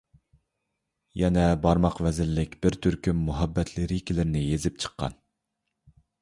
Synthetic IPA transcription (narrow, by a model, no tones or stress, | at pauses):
jɛnɛbɑɾmɑqvɛzɪlːɪkʲbɪɾt̪ʰyɾkʲymːuɦɛbːɛt̪ʰlɪɾɪikʲʰilɪɾnɪjezɪp̚t͡ʃʰə̥qːɑ̰n